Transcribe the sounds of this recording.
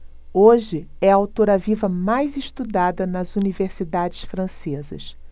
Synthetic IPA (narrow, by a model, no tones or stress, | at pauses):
oʒɪ | ɛɐawt̪oɾɐvivɐmajzɪʃt̪ud̪ad̪ɐnɐzuniveɾsid̪ad͡ʒɪsfɾɐ̃sezɐ̰s